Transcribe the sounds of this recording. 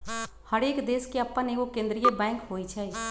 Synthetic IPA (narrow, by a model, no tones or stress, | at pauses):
həɽeːkd̪eːskeəpːənekokẽːnd̪ɾijəbɛ̃ːŋkɦoːit͡ʃʰɛ